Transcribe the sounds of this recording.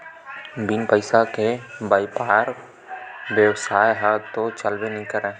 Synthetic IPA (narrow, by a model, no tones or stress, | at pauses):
binpəɪsakebaːipaːɾ | ʋjəwsaːjɦat̪ot͡ʃəlbenəɦĩkəɾɛ̃ː